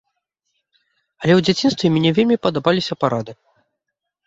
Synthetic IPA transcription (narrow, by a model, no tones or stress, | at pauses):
ɐlʲɛwd͡zʲat͡sʲinst̪vʲɛmʲnʲɛvʲelʲmʲipɐd̪abalʲisʲɐpaɾad̪ɨ